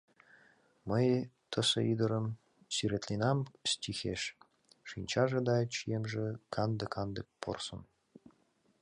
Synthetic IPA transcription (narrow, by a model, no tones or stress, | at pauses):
məj | t̪ʰəsə̰id̪ə̆ɾəm | syɾet̪lenɑmstʲixeʃ | ʃinʲt͡ɕɑʒĕd̪ɑt͡ɕijemʒĕkʰɑnd̪ə̆kɑnd̪ək̚po̰rsə̰̆n